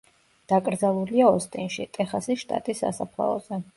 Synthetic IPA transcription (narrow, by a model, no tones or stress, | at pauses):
d̪̥akʼɾd̪zalˠuliaɔst̪ʼinʃit̪ʼɛχasiʃt̪ʼa̰t̪ʼisːa̰sapʰlˠa̰ɔ̰z̥ɛ